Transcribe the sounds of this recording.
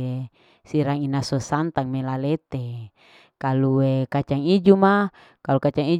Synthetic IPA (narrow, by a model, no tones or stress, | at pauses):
e | siɾaŋinasosant̪aŋmelalet̪e | kaluekat͡ʃaŋid͡ʒuma | kalukat͡ʃaŋi